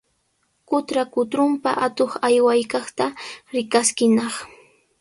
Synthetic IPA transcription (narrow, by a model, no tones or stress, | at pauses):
kʊt̪ɾakʊt̪ɾʊmpa̰ʔat̪oχajwajkɑχt̪aɾɪkaskɪnɑχ